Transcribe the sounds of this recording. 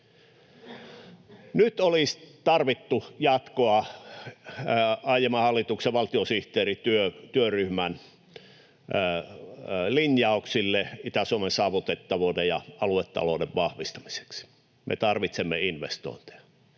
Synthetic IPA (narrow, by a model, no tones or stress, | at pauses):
nyt̪olist̪ɑrʋit̪ːujɑt̪koɑ | ɑijemɑhɑlːit̪ukseʋɑlt̪iosiht̪eːrit̪yøt̪yøryhmæn | linjɑˑuksilːeit̪æsuomesɑːʋut̪et̪ːɑʋoˑdejɑ̰ɑluet̪ːɑ̰lo̰ːdeʋʋɑhʋist̪ɑ̥mi̥se̥ksi̥ | mʔḛt̪ɑrʋit̪semːḛinʋḛst̪o̰ˑint̪e̥ɑ